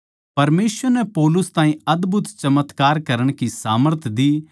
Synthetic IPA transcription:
pɐɾmeːsʋəɾnɛpɔːlʊst̪ãːĩɐd̪bʱʊt̪t͡ʃɐmət̪kaːɾkɐɾəɽ̃kisa̰ːməɾt̪ʰd̪iː

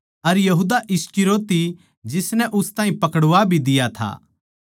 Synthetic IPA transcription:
ɐɾjɐɦuːd̪aʔɪskɪɾoːt̪i | d͡ʒɪsnɛʔʊst̪ãːĩpɐkəɽʊʋabʱid̪ɪjat̪ʰa̰ː

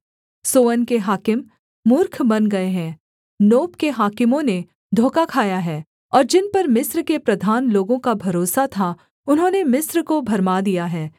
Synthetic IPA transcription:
soːənkeɦaːkɪmː | ʊɾkʰbɐnɡɐeɦɛ̃ː | noːpkeɦaːkɪmõne | d̪ʱoːkakʰaːjaɦɛː | ɔːɾd͡ʒɪnpɐɾmɪsɾkepɾɐd̪ʱaːnloːɡõkabʱɐɾoːsat̪ʰa | ʊnɦõːnemɪsɾkobʱɐɾmad̪ijaɦɛː

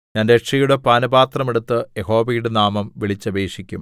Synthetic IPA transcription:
ɲaːndekʂijuɽepaːnɐbaːt̪rɐme̞ɽut̪ːɨjeho̞ːʋijɽɨnaːmɐmʋiɭit͡ɕːɐbeːʂikʲːum

